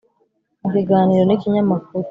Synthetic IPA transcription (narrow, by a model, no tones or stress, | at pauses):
ikiɡaːniɾo̞nikiɲamakuɾu